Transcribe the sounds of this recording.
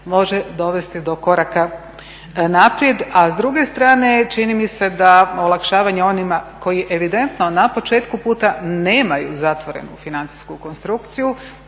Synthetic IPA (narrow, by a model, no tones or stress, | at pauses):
mo̞ʒe̞d̪o̞ʋe̞st̪id̪o̞ko̞ɾaka | napɾje̞d̪azd̪ɾuɡe̞st̪ɾaːne̞t͡ʃinimise̞d̪aolˠakʃaːʋaɲeo̞nimako̞jiʔe̞ʋid̪e̞nt̪no̞napo̞t͡ʃe̞ːt̪kupuːt̪ane̞ːmajuzat̪ʋo̞ɾḛnṵfinant̪si̥skuko̞nst̪ɾukt̪siju